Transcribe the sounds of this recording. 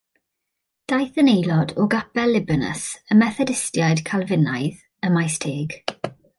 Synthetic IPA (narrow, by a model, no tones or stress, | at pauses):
d̥ajθənejlɔdɔɡapɛlːɪbənə̰səmɛθɛdɪstjajd̥kʰalˠvɪnajð | əmajstʰeːɡ̥